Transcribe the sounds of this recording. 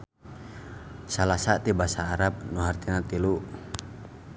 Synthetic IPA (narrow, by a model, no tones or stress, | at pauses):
salasat̪ibasaːɾap̚nuɦart̪inat̪iluʔ